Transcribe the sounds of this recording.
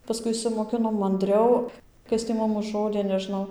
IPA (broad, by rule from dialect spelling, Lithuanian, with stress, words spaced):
pɐˈskʊɪ ɪʃʲsʲɪmoːˈkʲɪnoːm mɐnʲˈdʲrʲɛʊ ˈkɐs tʲiː ˈmʊm ʊʒˈroːdʲeː nʲɛˈʒnɐʊ